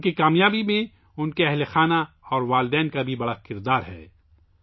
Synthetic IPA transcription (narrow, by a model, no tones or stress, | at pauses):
kikaːmjaːbimẽ | ʊnkeɛɦlexaːna | ɔːɾʋaːld̪ɛːnkabʱibɐɽakɪɾd̪aːɾɦɛ̰ː